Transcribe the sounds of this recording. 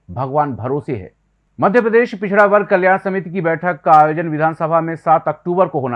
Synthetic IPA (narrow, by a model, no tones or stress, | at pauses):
bʱɐɡʋaːnbʱɐɾoːsiɦɛ̰ː | mɐd̪ʱjəpɾəd̪eːʃpɪt͡ʃʰɽaʋɐɾɡ̚kɐljaːnsɐmit̪ikibɛːʈʰəkːaaːjoːd͡ʒənʋɪd̪ʱaːnsəbʱamẽsaːt̪ɐk̚ʈuːbəɾkoɦoːna